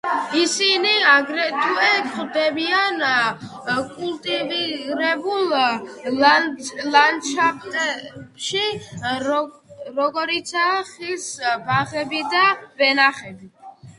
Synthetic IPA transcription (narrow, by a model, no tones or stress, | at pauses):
isiniaɡɾɛt̪ʰuɛkχd̪ɛbian | kʼulˠt̪ʼiviɾɛbulˠ | lanʃʰaχt̪ʼɛbʃi | ɾɔɡɔɾit̪sʰaːχilsbaʁɛbid̪avɛnaχɛbi